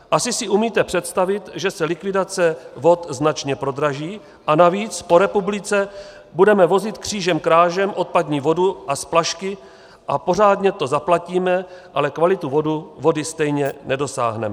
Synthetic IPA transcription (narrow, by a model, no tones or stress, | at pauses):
ʔasɪsɪʔumiːt̪ɛpr̝̥ɛt̪st̪avɪt̪ʒɛsɛlɪkvɪdat͡sɛvo̞t̪znat͡ʃɲɛpɾo̞d̪ɾaʒiː | ʔanaviːt͡spo̞ɾɛpublɪt͡sɛ | budɛmɛvo̞zɪt̪kr̝̥iːʒɛmkɾaːʒɛmʔo̞t̪̚padɲiːvo̞duʔasplaʃkɪ | ʔapo̞raːdɲɛt̪o̞zaplaciːmɛʔalɛkvalɪt̪uvo̞duvo̞dɪst̪ɛjɲɛnɛdo̞sa̰ːɦnɛ̰mɛ